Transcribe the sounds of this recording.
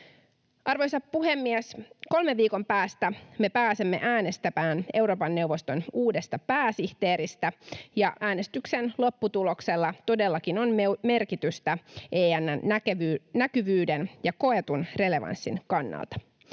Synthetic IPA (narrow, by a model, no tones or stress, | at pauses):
ʔɑrʋo̞jsɑppuɦe̞mːiesko̞lme̞ʋːiːko̞mpæːst̪æme̞pæːsemːe̞̰ʔæːne̞st̪æpæːne̞wɾo̞ːpɑnːe̞uʋo̞st̪o̞nuːde̞st̪ɑpæːsiht̪e̞ːɾist̪æjɑʔæːnest̪yksenlo̞pːut̪ulo̞kse̞lːɑt̪o̞delːɑkino̞neme̞rkit̪yst̪æʔeːænːænækynækyʋyːdenjɑko̞e̞t̪unre̞le̞ʋɑ̰nsːḭnkɑnːɑ̰lt̪ɑ̥